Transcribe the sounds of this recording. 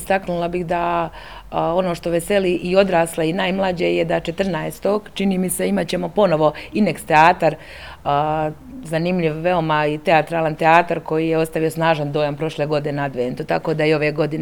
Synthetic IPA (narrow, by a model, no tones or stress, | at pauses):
st̪aknulˠabixd̪a | o̞noʃt̪o̞ʋe̞se̞liʔio̞d̪ɾaːslˠeinajmlˠad͡ʑejed̪at͡ʃe̞t̪r̩naest̪o̞ɡt͡ʃiniːmiseimat͡ɕe̞mo̞po̞no̞ʋo̞inekst̪eaːt̪aɾ | zanimʎiʋʋe̞o̞mait̪e̞at̪ɾaːlˠant̪eaːt̪aɾko̞jijeo̞st̪aʋio̞snaːʒand̪o̞ːjampɾo̞ʃlˠeɡo̞d̪inenad̪ʋeːnt̪ut̪ako̞ːd̪ajio̞ʋeɡo̞d̪in